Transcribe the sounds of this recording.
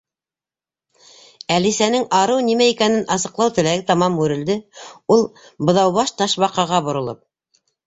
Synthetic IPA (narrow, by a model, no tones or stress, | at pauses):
ælisænɘŋɑɾɤwnimæikænɘnʔɑsɤ̆qlˠɑwt̪ɘ̆læɡɘt̪ɑmɑmʉɾɘ̆ld̪ɘulˠ | bɤ̆ðɑwβɑʃt̪ɑʃβɑqɑʁɑβŏɾŏlˠɤp̚